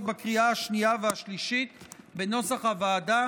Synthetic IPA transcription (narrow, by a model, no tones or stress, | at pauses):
bakʁiaaʃniaveaʃliʃit̪be̞no̞saχhavaːda